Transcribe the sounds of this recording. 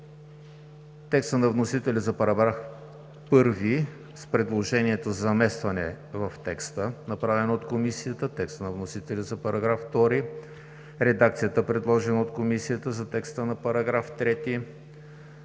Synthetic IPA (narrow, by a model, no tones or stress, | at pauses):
t̪ɛkst̪ənɐvnosit̪ɛlʲizɐpɐɾɐɡɾaf | pɤɾvi | spɾɛd̪lˠoʒɛniɛt̪ozzɐmɛst̪vɐnɛ̰ | vɐft̪ɛkst̪ənɐpɾavɛnəot̪komisijət̪ət̪ɛkst̪nɐvnosit̪ɛlʲizɐpɐɾʔɐɡɾafft̪ɔɾi | ɾɛd̪ak̚t̪sijət̪əpɾɛd̪lˠɔʒɛnəot̪komisijət̪əzɐt̪ɛkst̪ənɐpɐɾɐɡɾaft̪ɾɛt̪i